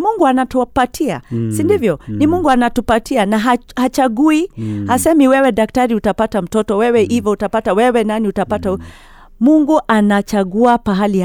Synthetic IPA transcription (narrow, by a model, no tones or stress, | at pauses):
muŋɡuanatupatʰia̰sindivjɔnimuŋɡuanatupatianaɦahat͡ʃaɡuihasɛmiwɛwɛɗak̚taɾiutapatam̩tɔtɔwɛwɛʔivautapatawɛwɛnaniutapata | muŋɡuʔanat͡ʃaɡuapaɦali